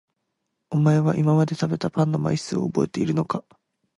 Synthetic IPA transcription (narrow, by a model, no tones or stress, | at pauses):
omae̞βaʔimamad̪e̞t̪abe̞t̪apãnːo̞ma̰isɨo̞ːbo̞e̞t̪e̞iɾɯ̟no̞ka